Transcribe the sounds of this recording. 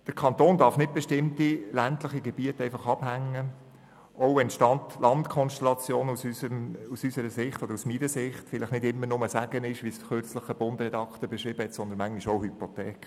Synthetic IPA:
d̥əɾkʰɑntoːndɑfnɪt̚b̥ɛʃtɪmtilæntləχiɡɛb̥iətɛɪfɑχɑb̥hæŋːə | ʔoʊɛntʃtɑntlɑntkʰɔnʃtɛlɑt͡sjoːnusysəmusysəɾəsɪχtɔdəɾusminəsɪχtfɪlɪχnɪdɪmːəɾnʊməsæɡ̥ənɪʃʋisχøɾt͡sləχəb̥ʊndrɛdɑkt̪əɾb̥ɛʃʁiːb̥əhɛtsɔnd̪ənmæŋiʃoʊhypotɛːk

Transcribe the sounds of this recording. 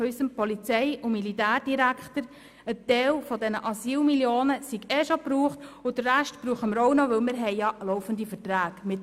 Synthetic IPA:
ysəmpɔlit͡sɛɪʊmilitæːɾd̥iɾækχt̪əɾ | ət̪ɛlfɔdɛnəʔɑsiːlmiljoːnəsiɡɛʃopɾuːχtʊdərːæʃtpɾuːχəməɾɔʊnoʋɵlmɪɾɦɛɪjɑlɔʊfənd̪ifəɾtɾæːɡ̥mɪt

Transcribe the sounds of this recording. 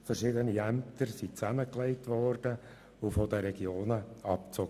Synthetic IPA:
fəɾʃɪdəniæmp̚t̪əɾsit͡sæməklɛɪtʋɔrd̥ə | ʊfɔd̪əɾɛɡjoːnəɑpt͡sɔɡ

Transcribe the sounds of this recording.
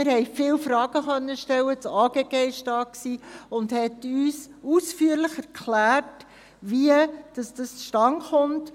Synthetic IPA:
ɪɾhɛɪfɪːlfɾɑːɡəχœnːəʃtɛwət͡sɑːɡ̥eɡ̥eɪʃtɑːksiːʊndhɛtyːs | usfyːəɾləχɛɾkʰlæːrt | ʋiəd̥ɑsd̥ɑst͡sʃtɑŋχʊmt

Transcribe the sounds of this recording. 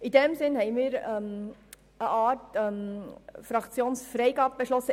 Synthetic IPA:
idɛmsɪnhɛɪmiːɾɛm | əʔɑːtɛmfɾɑkt͡sjoːnsfɾɛɪɡɑːbəb̥ɛʃlɔsːə

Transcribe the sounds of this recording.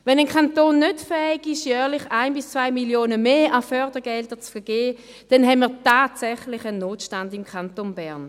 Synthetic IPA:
vɛnənkʰantoːnːøtfɛːɪɡɪʃjœːʁlˠɪχaɪnbɪst͡svaɪmiljoːnəmeːʔafœʁdəɡɛltət͡sfɛɐɡ̥eː | d̥ɛnɦɛnmiːɐtaːtsɛχlɪχənːoːtʃtandɪmkʰantonbɛɐn

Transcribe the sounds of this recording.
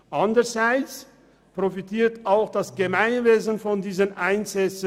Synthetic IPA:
ʔandəz̥aɪt͡s | pʁ̥ofitiːɐtaʊxd̥asɡ̥əmaɪnveːzənfɔndiːzənʔaɪnzɛt͡sə

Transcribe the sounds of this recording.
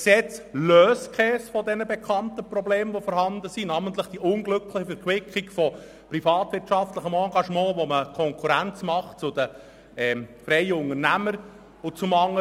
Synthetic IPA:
ksɛt͡sløːskχɛːsfɔdɛnəbɛkʰɑntəprɔbleːmʋofɔɾɦɑnd̪əsinɑmənt̪ləχd̥iʔʊŋɡlɵkləχəfɛɾkwɪkʰikfɔ | prifɑːt̪ʋɪɾtʃɑft̪ləχəmɑːɡɑʃmɑ̃ːʋoməkʰɔŋkʰuɾænt͡smɑχt͡sʊd̪ə | ɛfɾɛɪəʊŋərnæməɾ | ʊt͡sʊmɑŋːə

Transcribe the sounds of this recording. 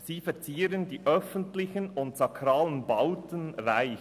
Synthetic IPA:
siːfɛɾt͡siːɾəndiːʔœfəntlɪçənʊntsɑkʰɾaːlənbaʊtənʁaɪ

